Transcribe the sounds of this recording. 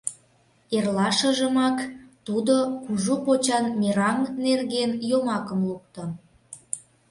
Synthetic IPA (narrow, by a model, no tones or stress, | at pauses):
erlɑʃə̆ʒəmɑkt̪ud̪okuʒupot͡ɕɑnmeɾɑŋnerɣenjomɑkə̆mluk̚t̪o